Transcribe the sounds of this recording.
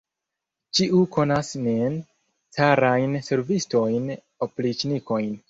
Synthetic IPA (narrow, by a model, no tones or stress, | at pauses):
t͡ʃiʔuko̞nasnen | t͡saɾajnse̞ɾvisto̞jn | oplit͡ʃniko̞jn